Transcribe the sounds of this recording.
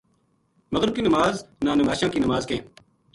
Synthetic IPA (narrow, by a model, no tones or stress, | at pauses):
məɣɾɪb̚kiːnəmaːznãːnəmaːʃãːkiːnəmaːzkẽː